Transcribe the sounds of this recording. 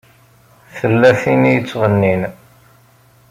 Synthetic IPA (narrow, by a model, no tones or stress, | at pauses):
θəlːæθinijət͡sːʁənːin